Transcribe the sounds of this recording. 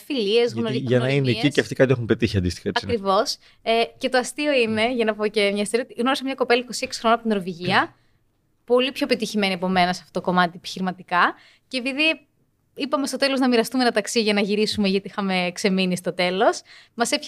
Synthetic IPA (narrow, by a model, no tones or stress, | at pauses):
filiezɣnoʝɐnɐineiceɐft̪ikɐt̪iexumpet̪içiɐnd̪ist̪i̥xɐeɐkɾivo̞s | ece̞t̪o̞ɐst̪io̞ine̞ʝɐnɐpo̞ce̞mɲɐst̪eɾiot̪iɣno̞ɾisɐmɲɐko̞pelɐiko̞sieksi̥xɾoonɐpot̪inoɾoviʝiɐ | po̞lipçopet̪içime̞niɐpo̞me̞nɐseɐft̪oot̪oko̞mɐt̪iepi̥çiɾimɐt̪ikɐ | ce̞ːpiði | ipɐme̞st̪o̞t̪e̞lo̞znɐmiɾɐst̪umenɐt̪ɐksiʝɐnɐʝiɾisumeʝɐt̪iixɐme̞ːkse̞minist̪o̞t̪e̞lo̞smɐsep